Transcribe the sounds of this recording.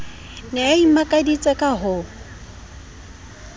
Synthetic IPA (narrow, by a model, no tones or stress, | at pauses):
nɪaimakʼadit͡sʼɛkʼaɦʊ